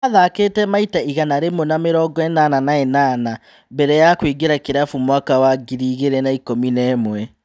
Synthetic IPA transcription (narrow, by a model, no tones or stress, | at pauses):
aðakeːtɛmaitaiɣanaɾemɔnameɾɔːɡɔɛnananaɛnaːna | bɛɾɛjakwiɡeɾakeɾafumwakawaɡiɾiːɣeɾɛnaikominɛːmwɛ